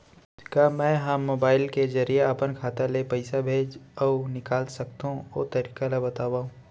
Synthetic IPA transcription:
kaːmɛ̃ːɦɐmːoːbaːɪlkezɐɾieɐpənkʰaːt̪alepɐɪsabʱeːd͡ʒɔːnɪkaːlsɐk̚t̪ɦũo̰ːt̪ɐɾiːkalabɐt̪aːwaːũ

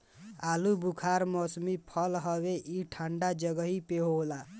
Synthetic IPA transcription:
alubukʰaɾmɔsmipʰəlɦəβeʔiʈʰaɳɖad͡ʒəɡəɦipeɦola

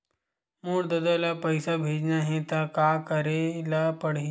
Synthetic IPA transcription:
muːɽd̪ɐd̪alapɐɪsabʱeːd͡ʒnaɦɛ̃t̪akaːkəɾelapɐɽ̤e

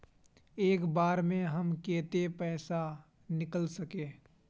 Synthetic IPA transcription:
eːkbaːɾmẽɦəmkeːt̪epɛːsa | nɪkəlsəkẽː

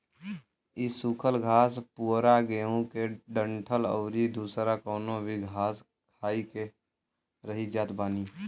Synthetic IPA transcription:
ɪsukʰəlɡʱaːspuːɾaɡeːõkeɖə̃ɳʈʰələ̰ːɾid̪uːsɾakɔːnõbʱiɡʱaːs | kʰaːike | ɾəɦid͡ʒaːt̪baːniː

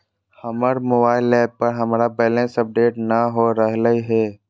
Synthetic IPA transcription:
hɐməɾmoːbaːɪlːɛːppɐɾɦɐmːɾabɛːlẽːnsɐp̚ɖeːʈnaɦoɾəɦləɦiɦɛː

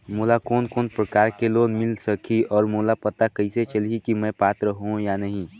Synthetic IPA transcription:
moːlakoːnkoːnpɾəkaːɾkeloːdmɪlsəkʰiɔːɾmoːlapɐt̪akɐiset͡ʃəlikimɛ̃ːpaːt̪ɾəɦɦũjanɐɦĩ

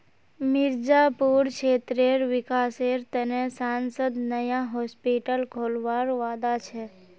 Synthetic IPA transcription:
mɪɾd͡ʒapuːɾt͡ʃʰeːt̪ɾeɾʋɪkaːseːɾt̪ənesaːnsəd̪nəjaɦoːspiʈəlkʰoːlʋaːɾʋaːd̪at͡ʃʰe

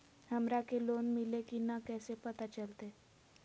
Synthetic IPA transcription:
hɐmɾakeloːnmɪlekinakɛːsepɐt̪at͡ʃəlt̪e

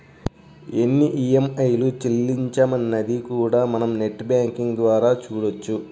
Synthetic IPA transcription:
e̞nːiʔiemɐjlut͡ʃelːiɲt͡ʃamɐnːɐd̪ikuːɽaːmɐnɐmne̞ʈːbaːŋkiŋɡd̪ʋaːɾaːt͡ʃuːɽɐt͡ʃːu

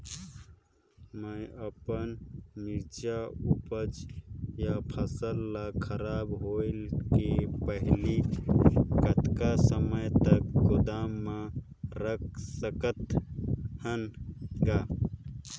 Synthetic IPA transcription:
məjəpənmiɾd͡ʒaupəd͡ʒjapʰəsəlːakʰəɾaːbɦoɪlkepəɦli | kət̪kasəməjt̪əkɡod̪amːã | ɾək̚ʰsəkət̪ | hənɡa

